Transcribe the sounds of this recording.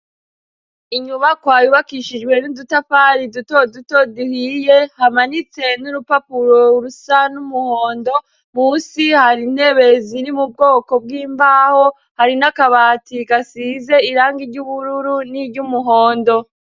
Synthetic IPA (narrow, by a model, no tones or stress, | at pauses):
iɲuβakwaːjuβakiʃid͡ʒɡwe̞nudutafaɾidutodutoduhije̞hamanit͡se̞nuɾupapuɾoɾusanumuhoːndo̞ | muːsihaɾin̥he̞βeziɾimub̚ɡo̞ːko̞b̚ɡiːmbaːho̞ | haɾinakaβaːtikasize̞iɾaːŋɡiɾɟuβuɾuɾuniɾɟumuɦo̞ːndo̞